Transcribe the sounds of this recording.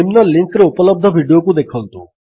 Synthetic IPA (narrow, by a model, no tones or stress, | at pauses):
imnɔliŋkɾeupələb̚d̪ʱəbʱiɖijokud̪ekʰəlt̪ṵ